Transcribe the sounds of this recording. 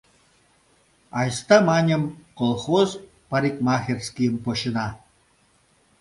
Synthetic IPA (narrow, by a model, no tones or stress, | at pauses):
ɑjst̪ɑmɑnʲɤ̆mkolˠχoz | paɾʲikmɑxʲerʲsʲkʲijə̆mpoɕə̆nɑ